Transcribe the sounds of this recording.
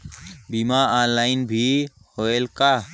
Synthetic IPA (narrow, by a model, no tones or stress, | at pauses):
bimaãnlaːɪnbʱi | hoelka